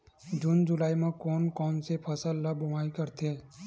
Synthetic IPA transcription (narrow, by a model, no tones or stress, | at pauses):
d͡ʒʊnd͡ʒʊlaːimẽkɔːnkɔːnsepʰəsəlːəbʊmaːikəɾt̪ʰeː